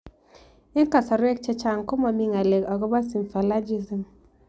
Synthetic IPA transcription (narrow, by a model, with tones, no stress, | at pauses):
ɪ˦ka˨sa˨ɾwɛ˦k̚t͡ʃɛ˦t͡ʃa˨ŋkɔ˦ma˨mi˦ŋa˨lɛ˨ka˨ɡɔ˦ba˦si˨mfa˨la˦d͡ʒi˦zi˨m